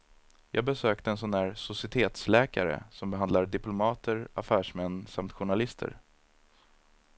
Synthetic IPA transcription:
jʔɑ̰ːɡ̚bɛsøːk̚t̪əɛns̬ɔnhæːɾsʊsɪt̪ʰeːt̪slɛːka̰ɾə̰sɔmbɛɦand̪laɖɪplʊmɑːt̪ʰəɾafæːʂmɛnːsamt̪ɧʊɳalɪst̪ʰə̰ɾ

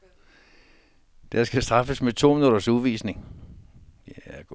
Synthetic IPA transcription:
d̥æɐsɡ̥æsd̥ʁɑ̈fəsmet͡sʰo̝̰ːminud̥ɐsuðˠʋḭːsne̝ŋ | ɡ̥

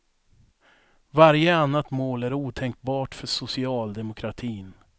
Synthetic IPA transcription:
vaɾjəanːat̪moːlæɾuːt̪ʰɛŋk̚bɑːʈfœʂʊsɪɑːld̪ɛmʊkʰɾat̪ʰiːn

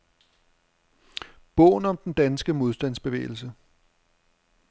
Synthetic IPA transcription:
b̥ɔ̰̽ʊnɒ̽md̥end̥ænsɡ̥əmo̝ð̞ˠsd̥æn̰sb̥e̝ʋḛːɪl̩sə

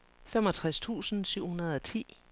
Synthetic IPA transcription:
femɒ̽t͡sʰʁast͡sʰṵːsn̩syʊ̰hunɐð̞ˠɒt͡sʰḭː

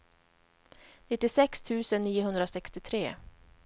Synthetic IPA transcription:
nɪt̪ːɪsɛkst̪ʰʉ̟ːsənːiːʊɦɵnd̪ɾasɛkst̪ɪt̪ʰɾḛː

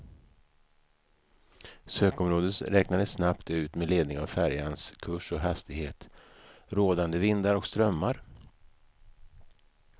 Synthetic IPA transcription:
søːkɔmɾoːd̪ət̪ɾɛknad̪əsnapt̪ʉ̟ːt̪meleːd̪nɪŋavfæɾjanskʰɵʂɔɦast̪ɪɡheːt̪ | ɾoːd̪and̪əvɪnd̪aɾɔkst̪ɾœmːaɾ

